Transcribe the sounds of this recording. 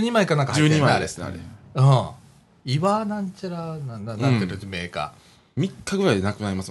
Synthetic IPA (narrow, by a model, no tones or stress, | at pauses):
ɲimaikanãŋkaɨːɲiaaɾsɾḛɯ̃ | iβanãɲt͡ɕaɾanaanãk̪eɾɯt͡ɕimeːka̰ | mʲikːaɡɯ̟ɾainakɯ̟naɾʲimasɨm